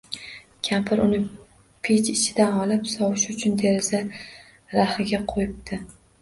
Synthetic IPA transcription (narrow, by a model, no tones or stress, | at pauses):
kʲʰampʰɪɾʊnɪ | pʰet͡ʃɪt͡ʃʰɪd̪anɒlɪpsɒwɪʃʊt͡ʃʰʊnt̪ʰe̞ɾɪza | ɾahɪɡʲaqʰojɪp̚t̪ʰɪ